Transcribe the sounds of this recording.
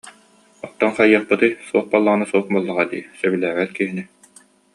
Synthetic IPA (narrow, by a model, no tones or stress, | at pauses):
ɔt̪ːɔnχɑjːɑχpɯt̪ɯjsuɔχbalˠːaʁɯnasuɔχbɔlˠːaʁad̪ḭːsœbilæːʁɛt̪kiɦini